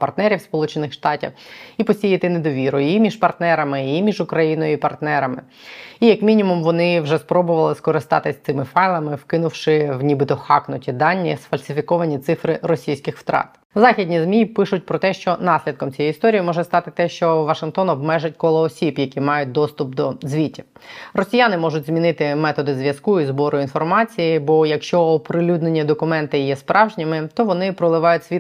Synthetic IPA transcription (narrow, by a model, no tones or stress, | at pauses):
pɐrt̪nɛɾʲiwspɔlˠut͡ʃenɪxʃt̪ɑtʲḭwipɔsʲijɐt̪ɪned̪ɔʋʲiɾʊimʲiʃpɐrt̪nɛɾɐmɪimʲiʒʊkɾɐjinɔjʊipɐrt̪nɛɾɐmɪ̰ | ijɐkmʲinʲimumʋɔnɪwʒɛspɾɔbʊʋɐlˠɪskɔɾɪst̪ɑ̰t̪ɪsʲt̪sɪmɪfɑjlˠɐmɪwkɪnʊwʃɪwnʲibɨt̪ɔxɑ̰knʊtʲid̪ɑnʲːisfɐlʲsʲɪfʲikɔʋɐnʲit̪sɪfɾɪɾɔsʲijsʲkɪxft̪ɾɑ̰t̪ | zɑxʲidʲnʲizmʲipɪʃʊt̚ʲpɾɔt̪ɛʃt͡ʃɔnɑsʲlʲid̪̚kɔmt͡sʲijɛjist̪ɔɾʲijimɔʒɛst̪ɑt̪ɪt̪ɛʃt͡ʃɔʋɐʃɪnkt̪ɔnɔbmɛʒɪt̚ʲkɔlˠɔːsʲibjɐkʲimɑjʊt̚ʲd̪ɔst̪ʊpd̪ɔzʲʋʲitʲːi̥ | rɔsʲijanɪmɔʒʊtʲzmʲinɪt̪ɪmɛt̪ɔd̪ɪzʋʲjɐskuizbɔɾʊin̪fɔrmɑt͡sʲijibɔjɐkʃt͡ʃɔɔpɾɪlʲud̪nenʲːɐd̪ɔkʊmɛnt̪ɪjɛspɾʔɑwʒnʲimɪt̪ɔʋɔnɪpɾɔlˠɪʋɑjʊtʲsʲʋʲi